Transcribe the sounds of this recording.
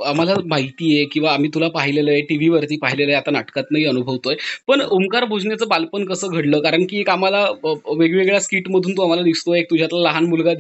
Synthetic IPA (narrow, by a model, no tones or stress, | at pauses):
amalamait̪iːjekĩw̃ʋaːm̤iːt̪ulapaɦileləjeʈiʋiʋəɾt̪iːpaɦileləjat̪anaʈkat̪naɦiːənubʱəʋt̪ojepəɳomkaɾbʱud͡zɳjat͡səːbalpənkəsəːɡʱəɽləːkaɾəɳkiːekamalaʋeɡʋeɡɭjaskiːʈməd̪ʱuːnt̪oamalad̪ist̪oek̚t̪ud͡ʑʱjat̪laləɦanmulɡa